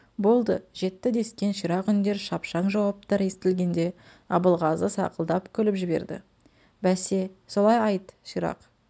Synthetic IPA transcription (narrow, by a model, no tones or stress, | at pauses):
bo̞lˠd̪əʒe̞t̪ːɪd̪e̞skʲe̞nʃiɾɑqʏnd̪e̞ɾʃɑpʃɑɴʒɑwɑp̚t̪ɑɾest̪ɪlɡʲe̞nd̪e̞ | ɑbəlˠʁɑzəsɑ̰qəlˠd̪ɑpkʲʰʏlɪpʒɪbe̞̰ɾd̪ɪ̰ | bæse̞so̞lˠɑjɑjt̪ʃiɾɑ̰q